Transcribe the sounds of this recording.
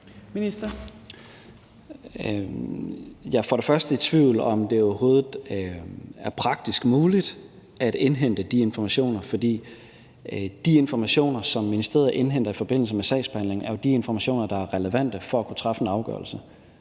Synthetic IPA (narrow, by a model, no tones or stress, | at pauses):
minisd̥ɐ | jɑ̈fɒ̽ɾ̥e̝fɶɐsd̥əit͡sʰʋiʊ̰lɒ̽md̥e̝ɒɐho̝ːð̞̩ˠ | æɐpʰʁɑ̈ɡ̥̚d̥isɡ̥muːlid̥ | æd̥enɦen̰d̥əd̥ie̝nfɒmæɕo̝̰ːnɐfɒ̽d̥ḭː | d̥ie̝nfɒmæɕo̝̰ːnɐsɒ̽mːinisd̥ʁe̝ːɐðˠʔe̝nɦen̰d̥ɐifɒ̽b̥e̝n̰l̩səmesɛ̰ɪ̰sb̥e̥hæn̰le̝ŋæɐjod̥ie̝nfɒmæɕo̝̰ːnɐd̥ɑ̈æɐʁɛləʋæn̰d̥əfɒ̽ækʰut͡sʰʁɑ̈fəenɑ̈ʊɡ̥ɶ̰ɐlsə